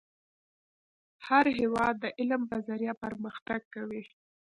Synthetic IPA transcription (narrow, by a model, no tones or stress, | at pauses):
haɾɦewɑd̪ːəʔɪlmbazaɾjɑpəɾməxt̪aɡ̚kawi